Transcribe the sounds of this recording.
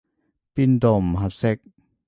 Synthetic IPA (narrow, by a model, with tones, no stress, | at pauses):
pi˧˥nd̪ɔ˨m˨ɦa˧p̚sɛ˦k̚